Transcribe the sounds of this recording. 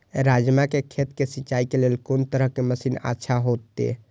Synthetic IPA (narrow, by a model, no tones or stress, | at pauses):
ɾad͡ʒmakekʰet̪kesitːt͡ʃaikelelkont̪əɾəɦkeməsiːna̰tːʃʰaɦot̪ːḛ